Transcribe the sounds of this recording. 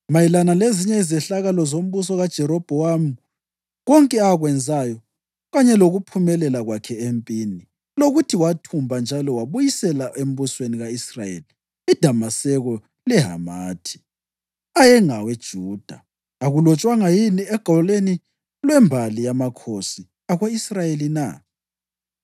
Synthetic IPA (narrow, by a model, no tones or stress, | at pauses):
majilanaleziɲɛizɛɬaɣalɔzom̩βus̬ɔɣad̥ʒ̥ʱɛɾɔb̥ʱɔwamu | ɣɔŋkʼɛaɣwɛnd͡zʱajɔ | ɣaɲɛloɣupʰumɛlɛlaɣwakʰɛempʼini | loɣutʰiwatʰumbʱand͡ʒʱalɔwaβujisɛlaʔem̩βusweniɣaisra̰jḛli | id̥ʱamasɛɣɔ | lɛɦa̰maːtʰi̥ | ajɛŋawed̥ʒ̥ʱuːd̥ʱaː | ɣulɔt͡ʃʼwaŋajiniɛɡ̥ʱɔleni | lwɛmbʱalijamakʰosi | aɣweisrajelina̰